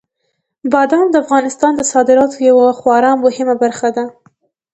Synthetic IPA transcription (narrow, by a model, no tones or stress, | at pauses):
bɑd̪amd̪əafɣɑnɪst̪ɑnd̪əsɑd̪ɪɾɑt̪ojawaxwɑɾɑmmːʊhɪmabaɾxad̪a